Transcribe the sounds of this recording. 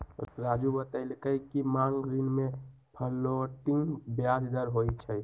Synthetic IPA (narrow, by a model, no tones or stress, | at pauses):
ɾad͡ʒubət̪ailkəkimaŋɡɡɾinmẽ | pʰəlːoʈɪ̃ŋɡbjad͡ʒd̪əɾɦoit͡ʃʰɛ